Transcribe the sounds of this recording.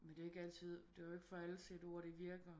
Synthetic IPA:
mend̥e̝ɐe̝ɡ̥æl̰t͡sʰið̞̰ˠd̥e̝eɡ̥fɒælsed̥ɒɐɾ̥e̝ʋiɐɡ̥ɐ

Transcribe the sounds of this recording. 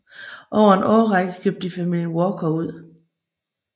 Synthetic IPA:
ʔɒʊɐenʔɒːʁɑɡ̥kʰøb̥̚d̥ifæmil̰jənwɒːkʰɒuð̰ˠ

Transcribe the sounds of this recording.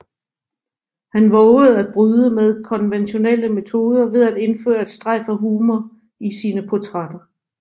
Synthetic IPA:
hænʋɔʊəð̞̩ˠæd̥̚b̥ʁyːðˠəmeð̞ˠkʰɒ̽nʋenɕo̝nel̰əme̝t͡sʰo̝ːð̞ˠɐʋe̝ð̞ˠæd̥e̝nfø̰ːɐed̥sd̥ʁɑɪfɐɦuːmɐ | isiːnəpʰɒt͡sʰʁɑd̥ɐ

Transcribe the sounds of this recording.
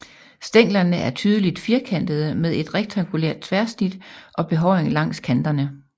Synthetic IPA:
sd̥eŋ̰lɐnəʔæɐt͡sʰyːð̞ˠəlid̥fiɐkʰæn̰d̥əð̩ˠəmeð̞ˠe̝d̥ʁeɡ̥̚t͡sʰɑŋɡ̥ulḛɐd̥̚t͡sʰʋæɐsnid̥ʔɒ̽b̥e̝ɦɒʊɪeŋlɑ̈ŋ̰skʰænd̥ɐnə

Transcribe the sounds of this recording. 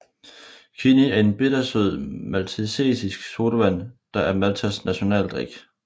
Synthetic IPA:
kʰiniæɐe̝nb̥e̝d̥ɐsøð̰ˠmælt͡sʰisḛːsisɡ̥so̝ːɾ̥əʋæn̰d̥ɑ̈ʔæɐmælt͡sʰæsnæɕo̝nɛ̰ːld̥ʁiɡ̥

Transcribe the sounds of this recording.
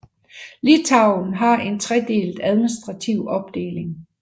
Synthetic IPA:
lit͡sʰɑ̈ʊn̩ɦɑ̈e̝nt͡sʰʁɛd̥e̝̰ːlð̥̩ˠæð̞ˠminisd̥ʁɑ̈t͡sʰiʊ̰ɒ̽b̥̚d̥e̝̰ːle̝ŋ

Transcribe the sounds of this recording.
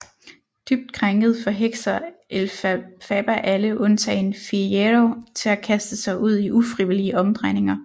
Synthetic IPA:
d̥yb̥̚d̥̚kʰʁaŋɡ̥ð̞̩ˠfɒ̽ɦeɡ̥sɐelfɛb̥æʔæləʔɔ̽nt͡sʰɛ̰ːenfieʁot͡sʰe̝lækʰæsd̥əsɑ̈ɪʔuð̞̰ˠiʔufʁiʋiliəʔɒ̽md̥ʁɑɪne̝ŋɐ

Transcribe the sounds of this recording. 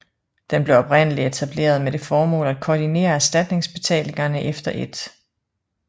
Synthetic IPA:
d̥enb̥le̝ʊɒ̽b̥ʁen̰əliet͡sʰæb̥le̝̰ːɐð̞̩ˠmed̥e̝fɒːmɔ̰̽ːlæd̥̚kʰɒːd̥ine̝̰ːɐæɐsd̥æd̥ne̝ŋsb̥e̝t͡sʰɛ̰ːle̝ŋɐnəʔefd̥ɐʔe̝d̥

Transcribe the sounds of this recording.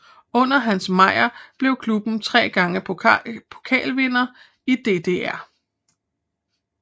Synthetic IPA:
ɔ̽n̰ɐɦænsmɑ̈ɪ̰ɐb̥le̝ʊkʰlub̥n̩t͡sʰʁɛ̰ːɡ̥ɑ̈ŋəpʰo̝̥kʰɛ̰ːlʋe̝nɐ | id̥e̝̰ːd̥e̝̰ːæɐ̰

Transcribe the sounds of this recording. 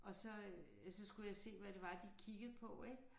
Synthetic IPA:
ʔɒ̽sɒ̽ | sɒ̽sɡ̥ujɑ̈ɪse̝̰ːʋæɾ̥e̝ʋɑ̈d̥ikʰiɡ̥ð̞̩ˠpʰɒ̽eɡ̥

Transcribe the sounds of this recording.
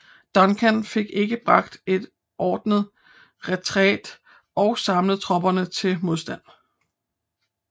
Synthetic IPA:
d̥ɒ̽nkʰænfe̝ɡ̥e̝ɡ̥əb̥ʁɑ̈ɡ̥̚d̥e̝d̥ | ʔɒːd̥nəð̩ˠ | ʁɛt͡sʰʁɛ̰ːd̥ | ʔɒ̽ʊsɑ̈mləð̩ˠt͡sʰʁɒ̽b̥ɐnət͡sʰe̝lmo̝ðˠsd̥æn̰

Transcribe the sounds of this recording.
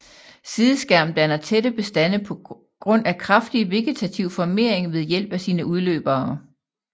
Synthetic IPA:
siðˠəsɡ̥æɐ̰md̥ænɐt͡sʰeɾəb̥e̝sd̥æn̰əpʰɒ̽ | ɡ̥ʁɔ̽n̰ækʰʁɑfd̥iʋe̝ɡ̥et͡sʰæt͡sʰiʊfɒme̝ɐ̰eŋʋe̝ð̞ˠjel̰b̥æsiːnəuð̞ˠlø̰ːb̥ɐː

